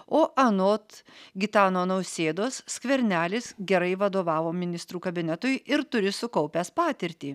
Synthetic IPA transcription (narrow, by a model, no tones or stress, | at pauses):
oːʔɐnoːt̪ɡʲɪt̪ɑːnoːnɐʊsʲeːd̪oːssʲkʋʲɛɾʲnʲæːlʲɪsɡʲɛɾɐɪʋɐd̪oːʋɑːʋoːmʲɪnʲɪst̪ɾuːkɐbʲɪnʲɛt̪ʊjɪɾt̪ʊɾʲɪsʊkɐʊpʲæspɑːt̪ʲɪɾʲt̪ʲiː